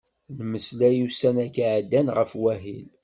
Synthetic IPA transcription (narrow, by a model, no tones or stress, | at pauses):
lməslæjusænækʕd̪ːænʁəfwæɦil